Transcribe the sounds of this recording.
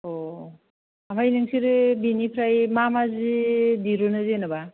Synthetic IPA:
o | amajnɯŋsiɾɯbinipʰɾajmamazidiɾonɯzenɯba

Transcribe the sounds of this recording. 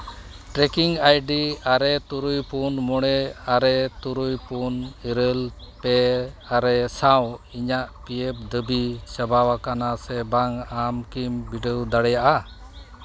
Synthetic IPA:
ʈɾɛkiŋajɖiaɾɛt̪uɾujpunmɔɽ̃ɛaɾɛt̪uɾujpuniɾəlpɛaɾɛsawiɲaʔpijɛp̚d̪əbit͡ʃəbawakanasɛbaŋamkimbiɖəwd̪aɽɛjaʔa

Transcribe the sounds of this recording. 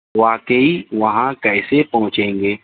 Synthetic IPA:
ʋaːkəiʋɐɦãkɛːsepɐɦʊ̃t͡ʃẽːŋɡeː

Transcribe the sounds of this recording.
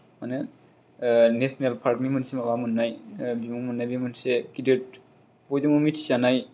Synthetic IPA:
manɯ | nesnelpʰaɾkmimɯnsemabamɯnːajbimɔŋmɯnːajbimɯnseɡidɯt̚ | bɔjdɯŋmɯmitʰi̥sanaj

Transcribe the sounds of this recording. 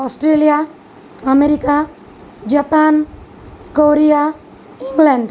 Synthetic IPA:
ɔsʈɾelija | ʌmeɾika | d͡ʒapan | koɾija | iŋɡlaɳɖ

